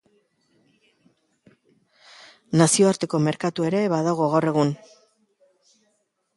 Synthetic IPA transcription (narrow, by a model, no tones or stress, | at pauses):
nasio̞aɾt̪e̞ko̞me̞ɾkat̪ue̞ɾe̞βaðaɣoɣ̞awre̞ɣ̞un